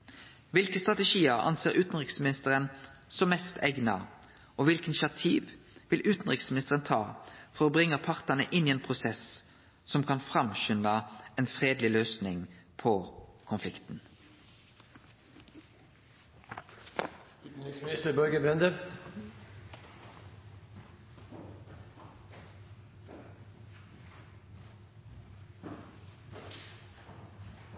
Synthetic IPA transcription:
ʋɪlkəst̪ʁɑt̪ɛʃiːəʁɑ̰nseːʁʉːt̪n̩ʁɪksmɪnɪst̪əʁənsɔmːɛst̪ʰɛɡnɑ̰ | ɔːʋɪlkənʃɑt̪ʰiːʋʋɪlʔʉːt̪n̩ʁɪksmnɪst̪əʁənt̪ʰɑːfɔʁoːbʁɪŋːəpʰɑʁt̪ɑnə̰ʔɪniːeːnpʰʁʊsɛs | sɔmkʰɑnfʁɑmʃʏnɑɛːnfʁeːd̪lɪløːsnɪŋpʰɔkʰʊnflɪkt̪n̩ | nɪsmɪnɪst̪əbœlɡəbɾɛnd̪ə

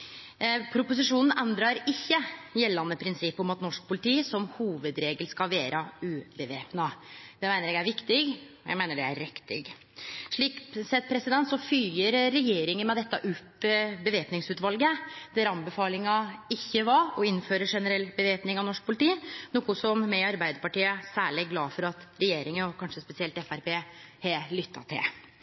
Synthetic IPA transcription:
pʰɾʊpʊsɪʂuːnn̩ɛnd̪ɾɑɾɪçːəjɛlːɑnəpʰɾɪnsɪpːɔmɑt̪nɔʂk̚pʰʊlɪt̪ʰiːsɔmhuːʋəd̪ɾeːɡəlskɑlʋeːɾʔəʉːbəʋeːpnɑd̪ɛmæɪnəɾɛɡæɾʋɪkt̪ɪɡɔjæ̰mæɪnəɖɛæ̰ɾɾɪkt̪ɪ̰ɡ | ʂɭiːksɛt̪ːpʰɾɛsɪd̪ɛnt̪sɔfyːəɾɾɛjeːɾɪŋənmɛd̪ɛt̪ːɑʔʉpːbəʋeːpnɪŋsʉːt̪ʋɑlɡəd̪̥æɾɑnbəfɑːlɪŋɑɪçːəʋɑɔɪnføːɾəʂɛnəɾɛlːbəʋeːpnɪŋɑʋnɔʂk̚pʰʊlɪt̪ʰiːnuːkʊsɔmmɛɑɾbæɪd̪əɾpɑʈiːəsæːɭɪɡlɑːfɔɾɑt̪ɾɛjeːɾɪŋənɔkʰɑnʂəspɛsɪɛlt̪ɛfæɾpeːhɛlʏt̪ʰːɑ̰t̪ʰɪ̰l

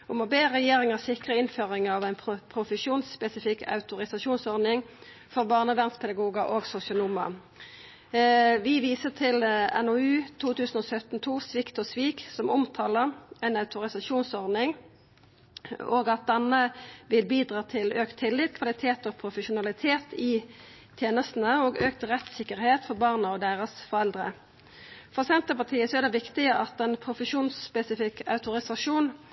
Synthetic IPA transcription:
ʊmɔbeːʁɛjeːʁɪŋəsɪkʁəɪnføːʁɪŋɑʋæɪnpʰpʰʁʊfəʃuːnspɛsɪfɪkːɑ̰ʉt̪ʊʁɪsɑʃuːnsɔʁd̪nɪŋ | fɔʁbɑːʁnəʋæʁnspʰɛd̪ɑɡuːɡəʔoːɡsʊsɪʊnumɑ̰ | ʋɪʋiːsət̪ʰɪlɛ̰nɔʉːt̪ʰuːt̪ʉːsən̩oːsœt̪n̩t̪ʰuːsʋɪkt̪ɔsʋiːksɔmɔmt̪ʰɑːləʁɛɪnɑʉt̪ʊʁɪsɑʃuːnsɔʁd̪ɪŋ | oːɡɑt̪̚d̪ɛnəʋɪlbiːd̪ʁɑːt̪ʰɪløːkt̪ʰːɪlːiːt̪̚kʰʋɑlɪt̪ʰeːt̪ɔːpʰʁʊfəʃʊnɑlɪt̪ʰeːt̪ɪt̪ʰjeːnəst̪n̩əoːɡøːk̚t̪ʁɛt̪sɪkəʁheːt̪fɔʁbɑːʁnəɔd̪eːʁəsfɔɾɛld̪ʁə̰ | fɔʁsɛnt̪əpɑt̪ʰiːəsɔæʁd̪ɛʋɪkt̪ɪəʔɑt̪ɛnpʰʁʊfəʃuːnspɛsɪfɪkɑ̰ʉt̪ʊʁɪsɑʃuːn

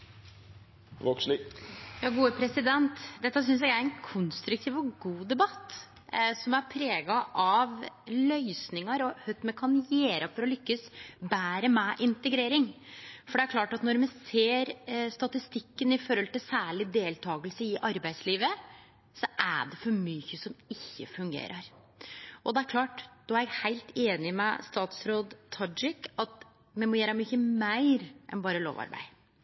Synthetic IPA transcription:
ʋɔksnjɑːɡuːəpʰɾɛsɪd̪ɛnt̪d̪ɛt̪ːəs̬ʏnsjæɡæɾɛnkʰʊnst̪ɾʉkt̪ʰiːʋɔɡuːd̪ɛbɑt̪ː | sɔmæɾpʰɾeːɡɑʔɑʋlœʏsnɪŋəɾɔhœt̪mɛkʰɑnjeːɾʔɑfɔɾɔlʏkːəsbæːɾəmɛʔɪnt̪əɡɾeːɾɪŋfɔɖɛæɾkʰlɑːʈɑt̪nɔɾmɛseːɾst̪ɑt̪ɪst̪ɪkːənɪfɔɾhɔlt̪ɪlsæːɭɪd̪eːlt̪ʰɑːɡəlsəɪʔɑɾbæɪsliːʋə | sɔʔæ̰ɖɛfɔɾmyçəsɔmɪçːəfʉŋɡḛːɾʔəɾ | ʔɔd̪ɛæɾkʰlɑːʈd̪oːæɾjæɡhæɪlt̪eːnɪmɛ̰st̪ɑːt̪sɾoːd̪t̪ʰɑd͡ʒɪkːɑt̪ | mɛmɔjæːɾəmyçəmæɪɾʔɛ̰nbɑːɾəlo̰ːʋɑ̰ɾbæ̰ɪ

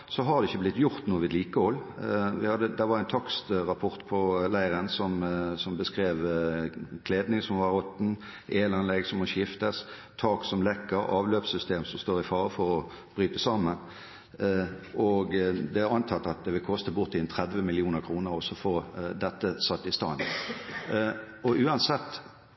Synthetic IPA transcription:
sɔɦɑʁd̪ɛɪçːəblɪt̪ːjʊʁt̪nuːəʋɪd̪liːkəɔlːʋɪhɑd̪əd̪æʋɑʁæɪnt̪ʰɑkst̪ʁɑpʰɔʁt̪pʰɔlæɪʁənsɔmsɔmbəskʁeːʋ | kʰleːd̪nɪŋsɔmʋɑʁɔt̪n̩ | eːlɑnlɛɡsɔmɔʃɪft̪əst̪ʰɑːksɔmlɛkːəɾɑːʋløːpsʏst̪ʰeːmsɔmst̪oːʁɪfɑːʁəfɔʁɔ | b̥ʁyːt̪əsɑːmən | ʔɔɡd̪ɛɑnt̪ʰɑt̪ːɑt̪̚d̪ɛʋɪlkʰɔst̪əbʊʁt̪ːɪɛnt̪ʰʁɛd̪ʋəmɪlɪuːnəʁkʰʁuːnəʁɔsɔfoːd̪ɛt̪ːəsɑt̪ːɪst̪ɑ̰ːn | ʔɔʉːɑnsɛt̪ː

